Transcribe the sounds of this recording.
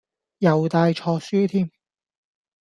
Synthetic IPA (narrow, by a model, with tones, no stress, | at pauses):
jɐ˨wt̪aː˧jt͡ʃʰɔː˧syː˥t̪ʰiː˥m